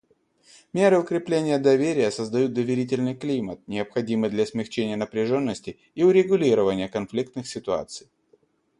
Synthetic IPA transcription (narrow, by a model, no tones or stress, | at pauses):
mʲe̞ɾɨʊkɾʲɪplʲenʲɪjəd̪ɐvʲeɾʲɪjəsəzd̪ɐjut̪̚d̪əvʲɪɾʲit̬ʲɪlʲnɨjklʲimət̪̚nʲɪəpxɐdʲimɨjd̪lʲɐsmʲɪxt͡ɕenʲɪjənəpɾʲɪʐonːəsʲtʲɪ | iʊɾʲɪɡʊlʲiɾəvənʲɪjəkɐnflʲik̚t̪nɨxsʲɪt̪ʊa̰t̪sɨj